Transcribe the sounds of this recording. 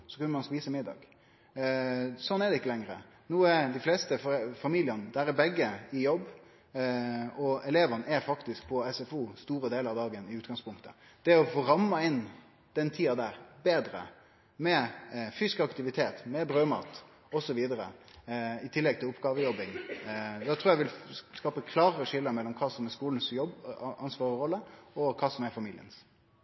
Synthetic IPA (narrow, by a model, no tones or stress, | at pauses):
sɔkʉnəmɑnspiːsəmɪd̪ːɑ̰ːɡ | sɔnːɛd̪ɛɪkːəlɛŋɾə̰ | nuːəɛɾd̪ɪfleːst̪əfɔfɑmiːlɪənəd̪æɾɛbɛɡːəɪjɔbː | ɔɛleːʋənəɛɾfɑkt̪ɪsk̚pʰɔɛsɛfuːst̪uːɾəd̪eːləɾɑʋd̪ɑːɡənɪʉːt̪ɡ̥ɑŋspʰʊŋkt̪ʰə̰ | d̪̥ɛɔfoːɾɑmːɑɪn | d̪̥ɛnt̪ʰiːɑd̪æɾbeːd̪ɾə̰ | mɛfyːskəɑkt̪ɪʋɪt̪ʰeːt̪mɛbɾøːmɑ̰ːt̪ | ɔsɔʋiːd̪əɾə̰ | ɪt̪ʰɪlːɛɡ̚t̪ʰɪlʊpɡɑːʋəjɔbɪŋd̪ɛt̪ʰɾuːɾjɛʋɪlskɑːpəkʰlɑːɾəəʂɪlːəmɛlːɔmkʰɑːsɔmɛskuːln̩sjɔbɑnsʋɑːɾəɔlːəɔkʰɑːsɔmɛɾfɑmiːlɪ̰ə̰ns